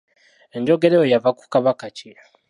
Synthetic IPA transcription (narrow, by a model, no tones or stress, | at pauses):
eɲɟoɡe̞ɾejojavaku̥kaβakaci